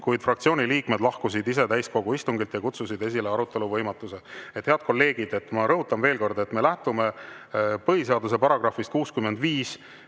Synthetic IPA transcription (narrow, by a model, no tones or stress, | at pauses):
kujd̪̥frɑk̚t̪sio̞ːnʲiliːkme̞d̪̥lɑhkus̬id̪ise̞t̪æjsko̞ɡ̥uist̪uŋɡilt̪jɑkut̪susid̪e̞s̬ileɑɾut̪ːˑe̞luvɤjmɑt̪ːˑuse̞et̪heɑd̪̥̚ko̞lːe̞ːɡ̥id̪et̪ːmɑɾɤɦut̪ːˑɑnve̞ːlko̞rd̪e̞t̪me̞læht̪ume̞ | pɤɦiseɑd̪use̞pɑɾɑɡ̥rɑfist̪̚kuːskymːe̞nd̪viːs